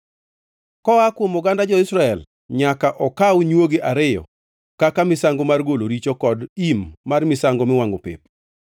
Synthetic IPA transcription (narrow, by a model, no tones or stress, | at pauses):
kɔakwomʊɡandad͡ʒɔɪsɾaɛl | ɲakaʔɔkawɲwoɡeʔaɾɪjɔ̰ | kakamɪsaŋɡomarɡoloɾit͡ʃokɔdimːarmɪsaŋɡɔmɪwaŋopḛp̚